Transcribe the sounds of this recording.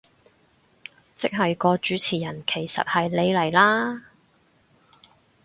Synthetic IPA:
t͡sɪ˥k̚ɦɐ˨jkɔː˧t͡ʃyː˨˥t͡sʰiː˨˩jɐ˨˩nkʰe˨˩jsɐ̰˨t̚hɐ˨jle˨˧jlɐ˨˩jlaː˥

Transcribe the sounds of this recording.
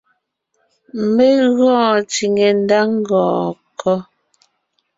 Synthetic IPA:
m˦me˦ɣɔ̃ː˦˨t͡si˨ŋe˨n˦da˦ŋ˦ɡɔ̃ː˨kɔ˦

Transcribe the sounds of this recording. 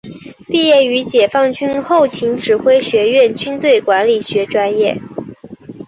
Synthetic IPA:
pi˥˧jɛ˥˩y˧˥t͡ɕjɛ˨˩fɑ˥˧˩ŋt͡ɕy˥nxo˥˩ʊt͡ɕʰi˧˥ŋʈ͡ʂɻ̩˨˩xwe˥ɪɕɥɛ˧˥ɥɛ˥˩nt͡ɕy˥nt̪we˥˩ɪkwa˧˥nli˨˩ɕɥɛ˧˥ʈ͡ʂwa˥njɛ˥˩

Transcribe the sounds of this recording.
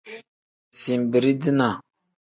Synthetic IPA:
si˨m˨bi˨ɾi˦di˦na˨

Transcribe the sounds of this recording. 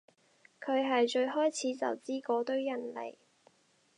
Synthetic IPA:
kʰɵ˨˧ɥɦɐ˨jt͡ʃɵ˧ɥɦɔː˥jt͡sʰiː˨˥t͡sɐ̰˨˩wt͡siː˥kɔː˨˥t̪ɵ˥ɥjɐ˨˩nlḛ˨˩j

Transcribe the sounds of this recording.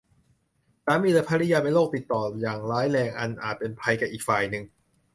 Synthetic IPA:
saː˨˦miː˧lːpʰaː˧ɾi˦˥jaː˧pe˧nloː˥˩k̚t̪i˨˩t̪ːɔː˨˩jaː˨˩ŋlaː˦˥jlɛː˧ŋʔa˧nʔaː˨˩t̪̚pe˧npʰa˧jkaː˨˩ʔiː˨˩k̚faː˨˩jnɯ˨˩ŋ

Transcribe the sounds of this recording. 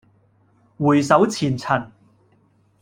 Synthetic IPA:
wuː˨˩jsɐ˨˥wt͡sʰiː˨˩nt͡sʰɐ˨˩n

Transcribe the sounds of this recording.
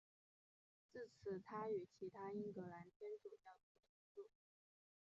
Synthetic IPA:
t͡sɹ̩˥˩t͡sʰɹ̩˨˧˩t̪ʰa˥y˨˩t͡ɕʰi˧˥t̪ʰa˥i˥ŋkɤ˧˥la˧˥nt̪ʰjɛ˥nt͡su˨˩t͡ɕjɑ˥˩ʊpu˥˩t̪ʰʊ˧˥ŋʈ͡ʂu˥˩

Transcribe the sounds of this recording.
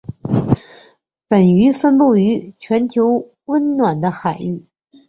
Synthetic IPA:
pə˨˩ny˧˥fə˥npu˥˩y˧˥t͡ɕʰɥɛ˧˥nt̪ʰjo˧˥ʊ | wə˥nnwa˨˩nd̪ə˦xa˨˩ɪy˥˩

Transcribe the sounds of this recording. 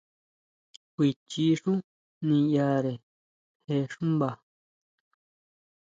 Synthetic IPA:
kʷi˨˧t͡ʃi˧˦ʂũ˦ | nĩ˧ja˧ɾe˨ | he˧ʂũ˦mba˨

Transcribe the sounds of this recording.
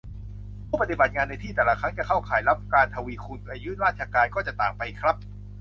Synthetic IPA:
pʰuː˥˩pa˧t̪i˨˩ba˨˩t̪̚ŋaː˧nːa˧jt̪ʰiː˥˩t̪ɛː˨˩la˧kʰɾa˦˥ŋt͡ɕa˨˩kʰa˥˩wkʰaː˩˦jla˦˥p̚kaː˧nt̪ʰa˧wiː˧kʰu˧nka˧˩jɯ˦˥ɾaː˥˩t̪̚t͡ɕʰa˧kaː˧nkɔː˥˩t͡ɕa˨˩t̪aː˨˩ŋpa˧jkʰɾa˦˥p̚

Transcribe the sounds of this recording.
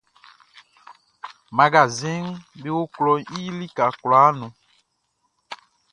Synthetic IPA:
ma˨ɡa˨zĩ˦nbe˦wo˦klɔ˨i˦li˦ka˨kla˨˦nũ˨

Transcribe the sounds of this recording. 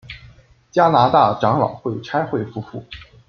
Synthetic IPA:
t͡ɕja˥na˧˥t̪a˥˩ʈ͡ʂɑ˧˥ŋlɑ̰˨˩ʊxwe˥˩ɪʈ͡ʂʰa˥ɪxwe˥˧ɪfu˥˧fu˥˩

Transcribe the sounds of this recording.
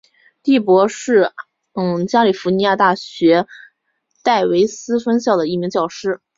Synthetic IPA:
t̪i˥˩pwɔ˧˥ʂɻ̩˥˩˥ | t͡ɕja˥li˨˩fu˧˥ni˧˥ja˥˧t̪a˥˩ɕɥɛ˧˥ | t̪a˥˩ɪwe˧˥ɪsɹ̩˥fə˥nɕjɑ˥˩ʊd̪ə˩i˥˩mi˧˥ŋt͡ɕjɑ˥˩ʊʂɻ̩˥

